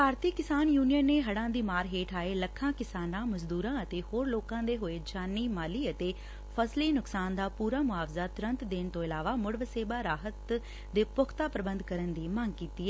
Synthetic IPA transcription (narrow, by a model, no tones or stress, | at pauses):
paːɾt̪ikːɪsaːnjuːnijənːeːɦəɽãːd̪iːmaːɾɦeːʈʰaːeːləkʰːãːkɪsaːnãːməzd̪uːɾãːət̪eːhoːɾloːkãːd̪eːɦoːeːd͡ʒaːniːmaːliːət̪eː | pʰəsliːnʊksaːnd̪aːpuːɾaːmʊaːʋzaːt̪ʊɾə̃nt̪d̪ɪnt̪õːɪlaːʋaːmʊɽʋəseːbaːɾaːɦət̪ | d̪eːpʊkʰt̪aːpɾəbənd̪kəɾənd̪iːməŋɡkiːt̪iːɛ